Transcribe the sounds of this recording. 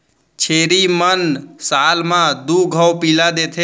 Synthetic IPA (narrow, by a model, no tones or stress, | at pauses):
t͡ʃʰeɾimənsalmãd̪uɡʱəwpilad̪et̪ʰe